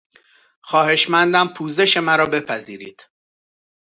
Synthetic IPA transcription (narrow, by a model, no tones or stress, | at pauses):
xɒːhe̞ʃmænd̪æmpʰuːze̞ʃe̞mæɾɒːbe̞pʰæziːɾiːd̪̥